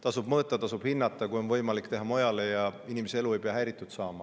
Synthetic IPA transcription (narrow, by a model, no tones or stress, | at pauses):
t̪ɑsub̥mɤːt̪ːˑɑt̪ɑsub̥hinːɑt̪ːˑɑkujo̞nvɤjmɑlikːt̪e̞ɦɑmo̞jɑle̞jɑinimeseelue̞jpeɑɦæɾit̪ːˑut̪sɑːmɑ